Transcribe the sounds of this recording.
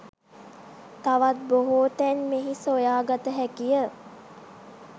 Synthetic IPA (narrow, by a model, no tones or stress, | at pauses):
t̪aʋat̪̚boɦoːt̪ɛnmeɦisojaːɡat̪əɦækijə